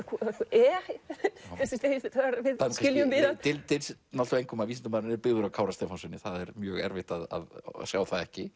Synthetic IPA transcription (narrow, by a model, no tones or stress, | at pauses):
kʰɛ | θɛsɪst̪ejɪfɪt̪aaɾvɪðaɪljʏmvɪðaɪlt̪ʰɪlnalt̪ʏejŋkʏmavisɪnt̪ʏmaðɾɪnɛɾpɪɣðʏɾawkʰaːwɾast̪ɛfɔnsɪnːɪθaðɛɾmjœːɣɛɾvɪht̪aða̰ðsjaːwθaðɛhcɪ